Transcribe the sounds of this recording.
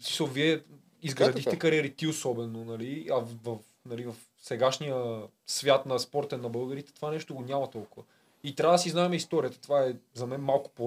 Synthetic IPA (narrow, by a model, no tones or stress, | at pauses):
smi̥səlˠviɛ | izɡɾɐd̪ixt̪ɛkɐɾiɛɾit̪iosɔbɛnonɐliɐvɐf | nɐlivɐf | sɛɡaʃnijə | svʲjat̪nɐspɔɾt̪ɛnːɐbɤlˠɡəɾit̪ɛ̥t̪ovanɛʃt̪oɡonʲamɐt̪ɔlˠkʊvə | it̪ɾʲavəd̪ɐsiznaɛmɛist̪ɔɾiət̪ə̥t̪ovaɛzɐmɛnmalˠkʊ̥po